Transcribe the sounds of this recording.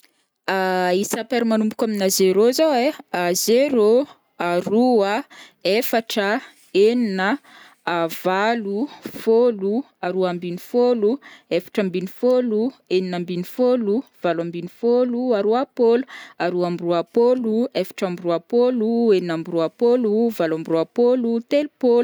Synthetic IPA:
aisapeɾimanumbukʲaminazeɾozoweazeɾo | aɾuəefaʈ͡ʂə | eninə | valufolu | aɾuambinifoluefḁʈ͡ʂəmbinifolueninambinifoluv̥alambinifoluaɾuapoluaɾuambruapoluefḁʈ͡ʂambiruapolueninambruapoluvalambruapolut̪elpolu

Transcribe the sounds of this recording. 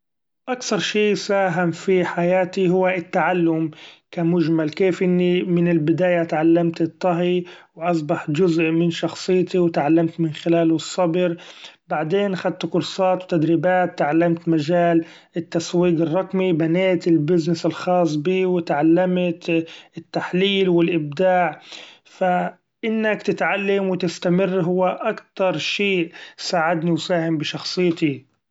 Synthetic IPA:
ʔakθɑɾˤʃiːsaːɦamfiħajaːt̪iɦʊwːaɪt̪ːaʕalːʊmkamʊʒmalkeːfʔɪnːimɪnɪlbɪd̪aːjat̪ʕalːamt̪ɨt̪ˤːɑɦiwʔɑs̬ˤbɑħd͡ʒʊzʔmɪnʃɑxsˤɨjːt̪iwɪt̪ʕalːamt̪mɪnxɪlaːlʊsˤːɑbɾbaʕd̪eːnxad̪̚t̪kʊɾsˤɑːt̪wt̪ad̪ɾiːbaːt̪ːʕalːamt̪maʒaːl | ɪt̪ːaswiːqɨrˤːɑqmibaneːt̪ɪlbɪznɪsɪlxɑːs̬ˤbiːwɪt̪ʕalːamt̪ɪt̪ːaħliːlwɪlʔɪb̚d̪aːʕfa | ʔɪnːakt̪ɪt̪ʕalːamwɪt̪ɪst̪amɪrːɦʊwːaʔakt̪ɑɾˤʃeːʔsaːʕad̪niwsaːhɪmbɪʃɑxsˤɨjːt̪i

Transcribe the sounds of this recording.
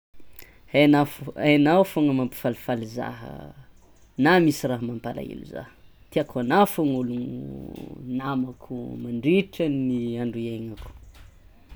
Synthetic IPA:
anafanawfoŋəmampi̥falifaliza̰ɦə̰ | namisiraɦmampala̰ḭlṵza̰hə̥ | t̪iakuanafoŋuluŋṵ | namakʰumaɳɖ͡ʐiʈ͡ʂaniaɳɖ͡ʐueŋaku̥

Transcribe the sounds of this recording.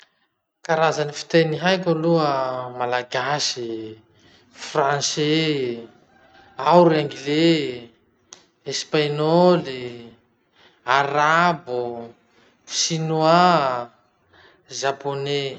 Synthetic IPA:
kaɾazanifi̥t̪eniɦajkʲaluəmalaɡasi | franse | awɾeŋɡile | espaɲɔli | aɾabu | sinua | ʒapone

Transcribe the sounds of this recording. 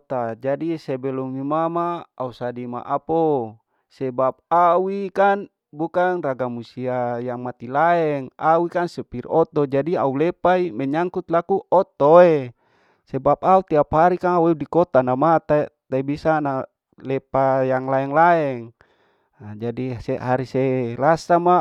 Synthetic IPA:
t̪ad͡ʒadisɛbɛlɔmimamaːusadima̰ʔapo | sɛbap̚awikan | bukanraɡamusiajaŋmat̪ilaɛŋawikansɛpirɔt̪ɔd͡ʒadiaulɛpaimɛɲaŋkut̪lakuʔɔt̪oe | sɛbap̚aut̪iapɦaɾikanaweudikɔt̪anamat̪at̪aibisana | lɛpajaŋlaɛŋlaɛŋ | d͡ʒadiseɦaɾiselasama

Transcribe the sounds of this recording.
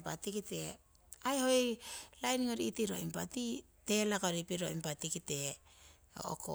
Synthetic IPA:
pa̰tikite̞ | ajhoilajniŋoɾiitiɾo̰impati | te̞lakoɾipiɾoimpatikite̞ | o̰o̰ko̰

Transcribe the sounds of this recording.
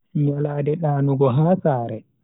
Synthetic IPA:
ɲɔlaːdɛɗaːnuɡɔɦaːsaːɾɛ

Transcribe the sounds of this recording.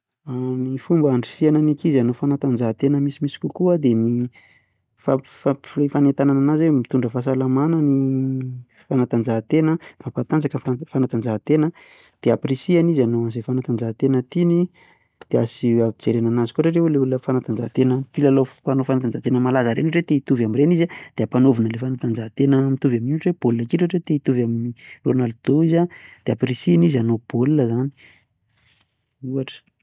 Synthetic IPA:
amifumbaɳɖ͡ʐisiananikizanofanat̪and͡ʒat̪enəmisimisi̥kukuəd̪emi | fafalefanet̪anananazwemit̪uɳɖ͡ʐəfas̬alamanani | fanat̪and͡ʒaɦt̪enəmapat̪and͡zakənffanat̪and͡zaɦt̪enə | d̪̥eapresianizanoazefanat̪and͡ʒaɦt̪enət̪ini | d̪̥easiavid͡zeɾenanazi̥koɾeɾeuleulunəfanat̪and͡ʒaɦt̪enəfilalopanofanat̪and͡ʒaɦt̪enəmalazaɾeniɾet̪eit̪uvamirenizad̪̥eapanovinəlefanat̪and͡ʒaɦt̪enəmit̪uvaminuʈ͡ʂeb̥olulakiɾeʈ͡ʂet̪eit̪uvamironald̪̥oizad̪̥eapresianizanob̥olunəzani̥ | uaʈ͡ʂə̥

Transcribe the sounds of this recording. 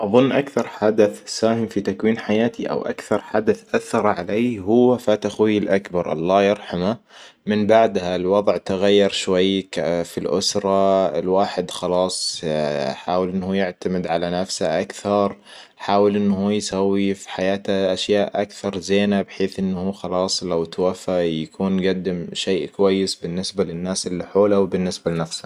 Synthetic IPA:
ʔɑðˤʊnːʔakθɑɾˤħad̪aθsaːhɪmfit̪akwiːnħajaːt̪iʔa̰wʔa̰kθɑɾˤħad̪aθʔaθːɑɾˤʕaleːɦʊwːafaːt̪axwiɪlʔakbɑɾˤʔɑ̰lˤːɑːjɑɾˤħama | mɪnbaʕd̪halwɑðˤʕt̪aɣajːɑɾˤʃwajːkfilʔʊ̰sɾˤɑɪ̰lwaːħɪd̪xɑlɑːsˤ | ħaːwɪlʔɪnːhuːjɪʕt̪amɪd̪ʕalanafsaʔakθɑɾˤ | ħaːwɪlʔɪnːhuːjsawːifi̥ħajaːt̪aʔaʃjaːʔʔakθɑɾˤzeːnabħeːθʔɪnːhuːxɑlɑːsˤlawt̪wafajakʰuːnɡad̪ːɪmʃeːʔkwajːɪsbɪnːɪsbalɪnːaːsʔɪlːiħoːlawbɪnːɪsbalɪnafsḁ

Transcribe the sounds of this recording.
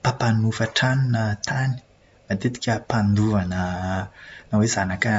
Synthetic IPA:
papanufəʈ͡ʂanunət̪ʰani̥ | mat̪et̪i̥kʲəpand̪uvanə | nawezanakə

